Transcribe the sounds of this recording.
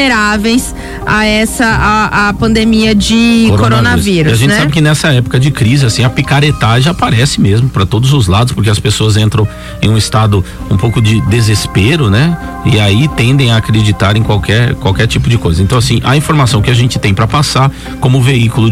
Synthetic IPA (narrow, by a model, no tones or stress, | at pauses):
eɾavejs | aɛsɐaapɐ̃nd̪emiɐd͡ʒɪkɾkonɾonɐɾsviɾaʒẽtt͡ʃɪsabɪkɪnɛsɐɛpʊ̥kɐd͡ʒɪkɾizɪasĩɐpikaɾet̪aʒapaɾɛsɪmezmʊpɾɐt̪od̪ʊzʊzlad̪ʊspʊɾkeɐspesoɐzẽnt̪ɾɐ̃w̃ | ẽj̃ũist̪ad̪ʊ | ũpowkʊd͡ʒɪd̪ezespeɾʊnɛ | ɪait̪ẽnd̪ẽj̃ɐaːkɾed͡ʒit̪aɾẽkwawkɛɾkwawkɛɾt͡ʃipʊd͡ʒɪkojzɐẽnt̪ɐ̃w̃asĩʔɐ̰ĩfoɾmasɐ̃w̃kɪaʒẽnt͡ʃɪ̥t̪ẽj̃pɾɐpasa | kõmʊveikʊlʊ